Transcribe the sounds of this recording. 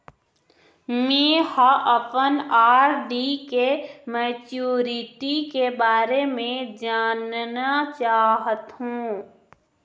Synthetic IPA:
mẽhaʔəpənaːɾɖikemɛːt͡ʃuːɾɪʈikebaːɾemẽd͡ʒaːnnat͡ʃaːɦət̪ɦũː

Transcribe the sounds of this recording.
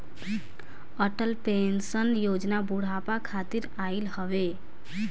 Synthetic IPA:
əʈəlpensənjod͡ʒnabuɽ̤apakʰat̪iɾailhəβe

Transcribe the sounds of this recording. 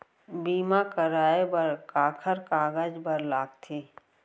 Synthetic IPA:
biːmakəɾaːebəɾkaːkʰəɾkaːɡaːd͡ʒbəɾlaːk̚t̪ʰiː

